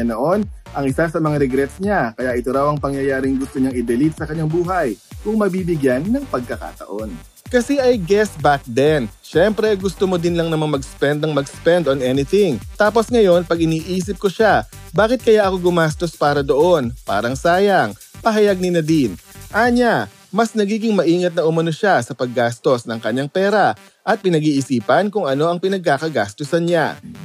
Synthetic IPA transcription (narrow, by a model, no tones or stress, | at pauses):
noʔo̞nʔɐŋʔɪsasɐmɐŋaɾɛɡɾɛt̪sɲakɐjaʔɪt̪oɾɐwɐŋpɐŋjɐjaːɾɪŋɡʊst̪oɲaŋɪd̪ɛlit̪̚sɐkɐɲːaŋbuːɦɐjkʊŋmɐbiːbɪɡjanːɐŋpɐɡ̚kɐka̰ːt̪ɐ̰ʔo̞n | kɐsɛʔɐjɡɛsbak̚d̪ɛnʃɛmpɾɛɡʊst̪omod̪ɪnlɐŋnɐŋmɐmɐɡspɛnd̪ɐŋmɐɡspɛnd̪onʔɛnɪt̪ɪŋt̪aːpo̞sŋɐjo̞npɐɡɪniːʔiːs̬ɪp̚koʃabaːkɪt̪̚kɐjaʔɐko̞ɡʊmaːst̪o̞spaːɾɐd̪o̞ʔo̞npa̰ːɾɐŋsaːjɐŋpɐɦɐjɐɡ̚nɪnɐd̪ɪnʔaːɲa | mɐsnɐɡiːɡɪŋmɐʔiːŋɐt̪̚nɐʔʊmɐnoʃasɐpɐɡːaːst̪o̞snɐŋkɐɲaŋpɛːɾɐ | ʔɐt̪̚pɪnɐɡiːʔɪsiːpɐnkʊŋɐno̞ʔɐŋpɪnɐɡ̚kaːkɐɡa̰ːst̪osɐnɲa̰